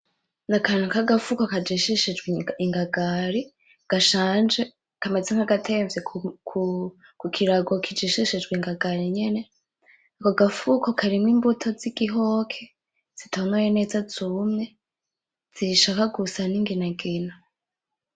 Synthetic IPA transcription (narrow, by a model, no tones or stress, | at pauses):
nakanukaɡafukokad͡ʒiʃiʃid͡ʒɡwiŋɡaɡaɾi | ɡ̥aʃaːnd͡ʒe | kamezeŋ̥haɡatʰeɱvjekʰu | kukʰiɾaɡo̞kʰid͡ʒiʃiʃid͡ʒɡweŋɡaɡaɾiɲene̞ | akoɡafukokʰaɾimŋiːmbutʰo̞ziɡ̥iɦoːkʰe | z̥itʰaonwajene̞ːzazumɲe | z̥iʃakaɡusaniŋɡinaɡina